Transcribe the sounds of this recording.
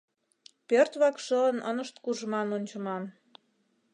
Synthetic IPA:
pørt̪βɑkʃələnə̰nəʃt̪kuʒmɑnonʲt͡ɕə̆mɑn

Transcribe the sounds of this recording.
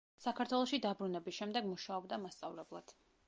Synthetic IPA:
sakʰaɾt̪ʰwɛlˠɔʃid̪abɾunɛbisʃɛmd̪ɛɡmuʃaɔbd̪amast̪sʼavlɛblˠad̪̥

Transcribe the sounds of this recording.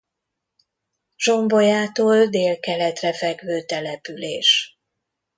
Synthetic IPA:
ʒo̞mbojaːt̪oːld̪eːlkɛlɛt̪rɛfɛɡvøːt̪ɛlɛpyleːʃ

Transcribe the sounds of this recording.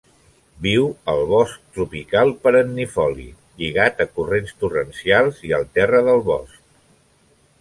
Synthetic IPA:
biwəlˠβɔsk̚t̪ɾupikalˠpəɾənːifɔlḭ | ʎiɣ̞at̪əkurenst̪urənsialˠziə̰lˠt̪ɛrəðəlˠβɔ̰sk̚

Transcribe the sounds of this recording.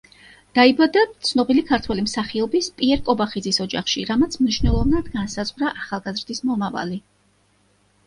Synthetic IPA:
d̪̥aibad̪at̪sʰnɔbilikʰaɾt̪ʰwɛlimsaχiɔbispʼiɛɾkʼɔbaχid̪zisɔd͡ʒaχʃḭɾamat̪sʰmniʃvnɛlˠɔvnad̪ɡansazʁɾaʔaχalˠɡazɾd̪ismɔmava̰li

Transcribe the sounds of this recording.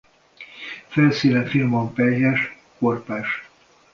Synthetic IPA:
fɛlsiːnɛfilmompɛljɛʃ | korpaːʃ

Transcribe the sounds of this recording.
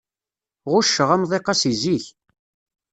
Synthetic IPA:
ʁʊʃːəʁæmðˤeqɑsiziç

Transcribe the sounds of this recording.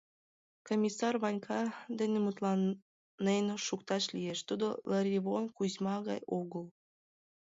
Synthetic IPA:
komʲisɑrβɑnʲkʰɑd̪enemut̪lɑn | nːenoʃukt̪ɑʃlijeʃt̪ud̪oləɾʲiβonkuzmɑɣɑ̰joɣəl

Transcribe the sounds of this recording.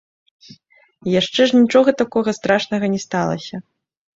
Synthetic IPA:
jaʂt͡ʂɛʐnʲit͡ʂɔɣɐt̪akɔɣɐst̪ɾaʂnɐɣɐnʲɛst̪alˠɐ̰sʲɐ

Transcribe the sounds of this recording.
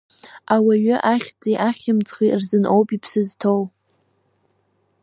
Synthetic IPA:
awaɥʏʔaχʲd͡zejʔaχʲɪmt͡sʰʼχirzɨnʔo̞wpipʰsɨztʰow

